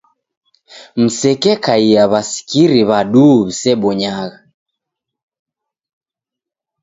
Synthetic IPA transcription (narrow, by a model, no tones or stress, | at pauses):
m̩sɛkɛkaiaβasi̥kiɾiβaɗuβisɛɓɔɲaɣa